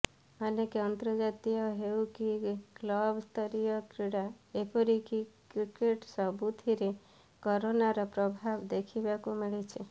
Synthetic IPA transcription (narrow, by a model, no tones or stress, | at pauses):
anekeɔnt̪ɾɔd͡ʒat̪ijɔɦewkiɡ̥lɔbst̪ʰɔɾijɔkɾiɽa | epɔɾikikɾikeʈsɔbut̪ʰiɾe | kɔɾonaɾɔpɾɔbʱabd̪ekʰibakumiɭet͡ʃʰe